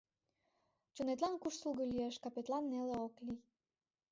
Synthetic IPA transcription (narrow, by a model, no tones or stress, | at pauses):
t͡ɕonet̪lɑnkuʃsulɣolieʃkɑpet̪lɑnːeleoklij